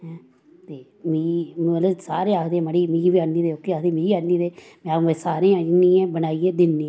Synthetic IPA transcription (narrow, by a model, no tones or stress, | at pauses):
ɦɛ̃ | t̪eː | miːmələsaːɾeːaːkd̪eːɛ̃məɽiːmĩːʋiːaiːd̪eːokːiːaːkd̪eːmiːiaiːd̪eː | mɛ̃ɛ̃saːɾẽːãniːɛ̃ːbənaːieːd̪ɪnːĩ